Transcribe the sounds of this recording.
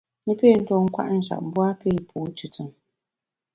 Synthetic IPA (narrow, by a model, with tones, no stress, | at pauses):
nɨ˦peː˦˨˦n̩˦tɔ˨ŋ̩˦kwa̰˦ʔn̩˨ʃa̰˨ʔm̩˦bwa˦pe˦˨pʰuː˨˦tu˨tɨ˨ŋ